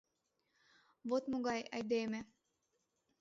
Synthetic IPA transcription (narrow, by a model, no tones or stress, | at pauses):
vot̪moɣɑjɑjd̪eme